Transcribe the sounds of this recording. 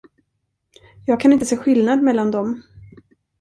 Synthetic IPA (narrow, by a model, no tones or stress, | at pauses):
jɑːɡ̚kʰanɪnt̪əseːɧɪlnad̪mɛlːand̪ɔm